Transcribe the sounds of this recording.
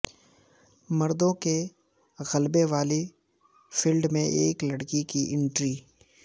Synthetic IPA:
mɐɾd̪õke | ɣɐlbeʋaːli | fʰɪlɖmẽʔeːklɐɽkikiɪ̃ɳʈɾiː

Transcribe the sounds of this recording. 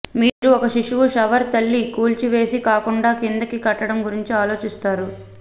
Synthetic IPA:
miːɾuɔkɐʃiʂuʋuʃɐʋɐɾt̪ɐɭːikuːlt͡ʃiʋe̞ːsikaːkuɳɖaːkind̪ɐkikɐʈːɐɽɐmɡuɾiɲt͡ʃiaːlo̞ːt͡ʃist̪aːɾu

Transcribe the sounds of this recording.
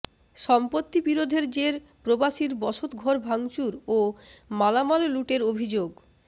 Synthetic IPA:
ʃɔmpot̪ːibiɾod̪ʱeɾd͡ʑeɾ | pɾobaʃiɾbɔʃot̪ɡʱɔɾbʱaŋt͡ɕuɾomalamalluʈeɾobʱid͡ʑoɡ

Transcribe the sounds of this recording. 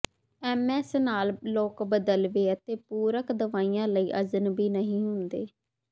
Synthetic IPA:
ɛːmɛːsnaːlloːkbəd̪əlʋeːət̪eːpuːɾəkd̪əʋaːijãːləiːʔəznbiːnəɦĩːɦʊnd̪eː

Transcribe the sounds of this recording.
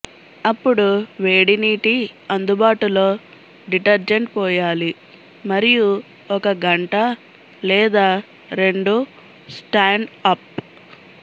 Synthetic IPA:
ɐpːuɽuʋeːɽiniːʈiɐnd̪ubaːʈulo̞ː | ɖiʈɐɾd͡ʒeɳʈ̚pɔːjaːli | mɐɾiju | ɔkɐɡɐɳʈɐ | lɛːd̪aː | ɾe̞ɳɖu | sʈaːɳɖɐp̚

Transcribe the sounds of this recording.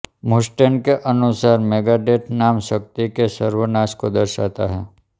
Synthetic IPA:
mʊsʈenkeʔənʊsaːɾmeːɡaɖeːʈnaːmʃək̚t̪ikesəɾwənaːʃkod̪əɾʃaːt̪a̰ɦɛː

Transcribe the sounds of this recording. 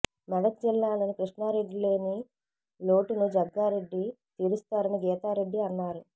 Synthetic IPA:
mɛɽɐt̪̚d͡ʒilːaːlɐnikɾiʂɳaːɾeɖːile̞ːni | lo̞ːʈunud͡ʒɐɡːaːɾe̞ɖːit̪iːɾust̪aːɾɐniɡɛːt̪aːɾe̞ɖːiɐnːaːɾu

